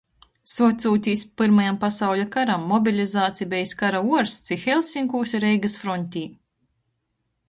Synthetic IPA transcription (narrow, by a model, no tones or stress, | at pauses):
suɔt̪ʲsuːt̪ʲiːspɨɾmajampasawlʲakaɾamːɔbʲilʲizaːt̪sijbʲɛjskaɾauɔɾst̪sixɛlʲˠsiŋkuːsʲiɾɛjɡasfɾɔnʲt̪ʲiː